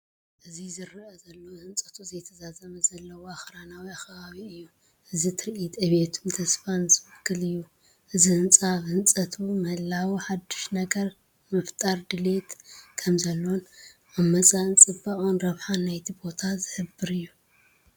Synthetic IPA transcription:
ʔɨzizɨɾʔɐzɐlːo̞hɨnt͡sʼɐt̪ʰuzɐjt̪ʰɐzazɐmɐzɐlːɐwoaxɾanawiaxɐβaβiɨjːu | ʔɨzit̪ʰɨɾʔit̪ʼɨβet̪ʰumt̪ʰɐsfanzɨmɨkːɨlɨjːu | ʔɨzihɨnt͡sʼaβhɨnt͡sʼɐt̪ʰumɐhɨlːawiħad̪u̥ʃnɐɡɐɾ | mɐft̪ʼaɾd̪ɨle̞t̪kʰɐmzɐlːon | ʔaβmɐt͡sʼaɨnt͡sʼɨbːɐʔʼonɾɐβħanːajt̪ʰibo̞t̪ʰazɨhɨbːɨɾɨjːu

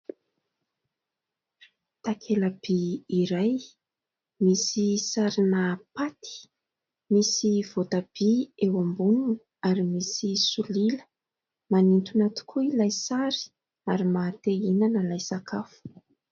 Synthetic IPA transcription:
t̪akʰelab̥iːɾaj | misisaɾinapat̪ʰi̥ | misiv̥ot̪ab̥iewambunun | aɾimisisulilə̥ | manint̪unat̪u̥kʰuilajsaɾi̥ | aɾimat̪einanəlajsakʰafu̥

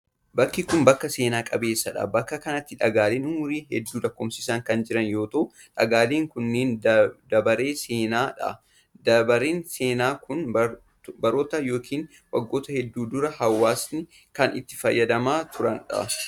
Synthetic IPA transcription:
bɐkːikʊmbɐkːɐse̞ːnaːkʼɐbe̞ːsːɐᶑɐ̰bɐkːɐkɐnɐt̪ːɪᶑɐɡaːleːnʊmʊɾiːhɛd̪ːuːlɐkːoːmsɪsɐŋkɐnd͡ʒɪɾɐnjo̞ːt̪ɐʔʊ | ᶑɐɡaːleːŋkʊnːeːnd̪ɐbɐɾe̞ːseːnaːᶑɐ̰ | d̪ɐbɐɾeːnse̞ːnaːkʊnb | bɐɾo̞ːt̪ɐjo̞ːkʰiːn | wɐɡːo̞ːt̪ɐhɛd̪ːuːd̪ʊɾɐhɐwːaːsnɪ | kɐnɪ̰t̪ːɪ̥fɐjːɐd̪ɐmaːt̪ʰʊɾɐnᶑɐ̰

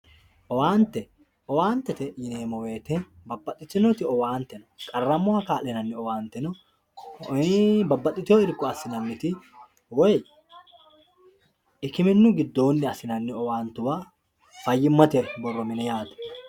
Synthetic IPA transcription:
ʔɔwaːnt̪ɛ | ɔwaːnt̪ːɛt̪ɛjɪneːmɔwe̞ːt̪enbɐbːɐt̪ʼːɪt̪ːɪnɔt̪ɪɔwaːnt̪ɛnɔkʼɐrːɐmːʊakaːlɛnɐnːɪɔwaːnt̪ɛnɔ | bɐbːɐt̪ʼɪt̪ɪɔɪɾkːɔɐsɪnɐnːɪt̪ɪ | wɔj | ɪkɪmɛnːʊɡɪd̪ːo̞ːnːɪɐsɪnɐnːɪɔwaːnt̪ʊwaː | fɐjːɪmːɐt̪ɛɾbɔrːɔmɪnɛjaːt̪ɛ̥

